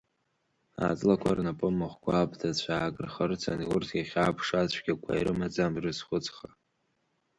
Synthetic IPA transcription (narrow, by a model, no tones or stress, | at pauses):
a̰t͡sʼlakʷʰarnapʼɨmːɨχʷkʷaːpʰtʰat͡ɕʷʰaːkʼrχərt͡sʰa̰niʊrtʰaχʲaːpʰʂat͡ɕʷʰɡʲakʷʰa̰iɾɨmad͡zamrɨsχʷʊt͡sʼχa